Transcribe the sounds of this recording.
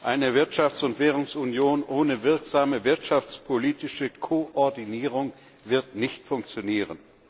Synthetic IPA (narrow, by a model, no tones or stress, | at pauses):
ʔaɪnəvɪɐtʃaft͡sʊntv̥eːʁ̞ʊŋsunjoːnʔoːnəvɪɐkz̥aːməvɪɐtʃaft͡spʰoliːtɪʃəkʰoʔɔɐdiniːʁ̞ʊŋ | vɪɐtnɪçtfʊŋkt͡sjoniːʁən